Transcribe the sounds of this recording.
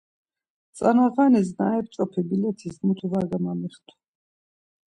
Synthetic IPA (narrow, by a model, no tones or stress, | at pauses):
t̪sʼanaʁanɛs̬naɛp̚t͡ʃʼɔpʰibilɛt̪ʰismut̪ʰuvaɾɡamamiχt̪ʰ